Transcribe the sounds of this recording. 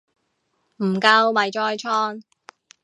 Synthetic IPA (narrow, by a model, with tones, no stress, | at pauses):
m̩˨˩kɐ˧wmɐ˨jt͡ʃɔː˧˥jt͡ʃʰɔː˥ŋ